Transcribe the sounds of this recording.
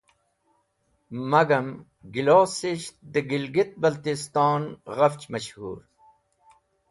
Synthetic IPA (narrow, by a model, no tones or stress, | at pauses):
mɐɡɐm | ɡiloːsiɕt̪̚d̪əɡilɡit̪̚bɐlt̪ist̪ɑːnʁɐft͡ɕmɐɕhṵːɾ